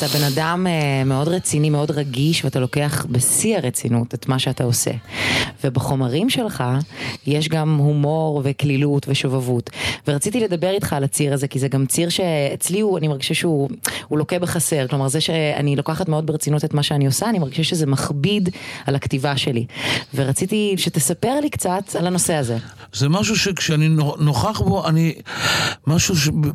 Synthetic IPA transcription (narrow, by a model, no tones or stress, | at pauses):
atabe̞nadamemːeo̞dʁet͡sinimeo̞dʁaɡiʃveatalo̞keaχbesiaʁet͡sinutetmaʃeatao̞sḛvebaχo̞maʁimʃelχajeʃ̬ɡamhumo̞ʁveklilutveʃovavutveʁat͡sitiledabeʁitχaːlat͡siʁaze̞kizeɡamt͡siʁʃeet͡sliuanimeʁɡiʃaʃeuhulo̞kebeχase̞ʁklomaʁzeʃea̰nilo̞kaχatmeo̞d̪̚beʁet͡sinutetmaʃeaniosaːnimeʁɡiʃaʃezemaχbidalaktivaʃe̞liveʁat͡sit̪iʃet̪esape̞ʁlikt͡sat̪alano̞se̞aze | zemaʃ̬uʃekʃeaninonoχaχbo̞ani | maʃuʃe